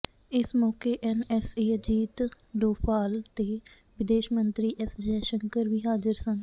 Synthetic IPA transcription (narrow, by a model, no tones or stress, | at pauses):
ɪsmɔːkeːʔɛnɛseːəd͡ʒiːt̪ | ɖoːpʰaːlt̪eː | ʋɪd̪eːʃmənt̪ɾiːʔɛsd͡ʒɛːʃəŋkəɾʋiːɦaːzəɾsən